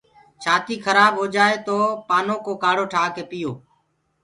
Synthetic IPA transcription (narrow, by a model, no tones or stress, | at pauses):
t͡ʃʰaːt̪iːkʰəɾaːbɦoːd͡ʒaːeːt̪oːpaːnõːkoːkaːɽoːʈʰaːkeːpɪjoː